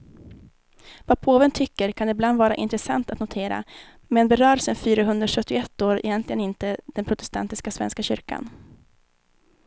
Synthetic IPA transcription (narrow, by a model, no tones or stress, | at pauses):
vapʰoːvənt̪ʰʏkːəɾkʰand̪ɛbland̪vɑːɾa̰ʔɪnt̪ɾɛsa̰nt̪at̪nʊt̪ʰeːɾa̰ | mɛnbɛɾœːɾsənfyːɾaɦɵnd̪ɾaʂœt̪ːɪʊɛt̪ːoːɾɛ̰jɛnt̪lɪɡənɪnt̪əd̪̥ɛnpʰɾʊt̪ɛ̥st̪a̰nt̪ɪskasvɛ̰nskaɕʏɾka̰n